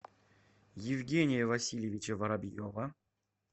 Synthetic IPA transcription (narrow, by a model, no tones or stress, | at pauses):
jɪvɡʲenʲɪjəvɐsʲilʲjevʲit͡ɕevɐɾabʲijovɐ